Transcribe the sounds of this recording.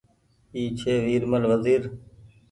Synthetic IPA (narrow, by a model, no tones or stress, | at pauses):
iːt͡ʃʰeːʋiːɾməlʋəziːɾ